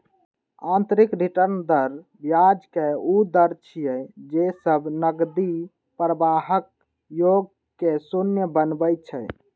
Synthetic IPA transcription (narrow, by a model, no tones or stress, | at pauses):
ãnt̪ɾikɾiʈəɾnd̪əɾ | bjad͡ʒkeud̪əɾt͡ʃʰijɛd͡ʒesəbʱnəɡd̪i | pɾəbaɦək̚ | joɡ̚ | kesunjəbənbəjt̪̚t͡ʃʰɛj